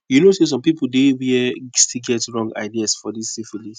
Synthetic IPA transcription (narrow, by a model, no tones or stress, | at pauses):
junoses̬ɔ̃mpipul̩ˠdewiɛstilɡɛtɹɔ̃ŋɡa̰ɪdiasfɔdissifilis